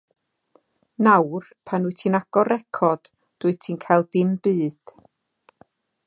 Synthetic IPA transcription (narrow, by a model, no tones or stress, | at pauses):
nawrpʰanuɨtʰinaɡ̥ɔɾɛkʰɔd̥ | d̥uɨtʰiːnkʰajlˠdɪmb̥ɨːd̥